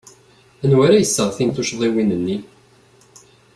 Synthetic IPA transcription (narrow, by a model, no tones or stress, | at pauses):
ənwaɾajəsːəʁθint̪uʃðˤiwinənːi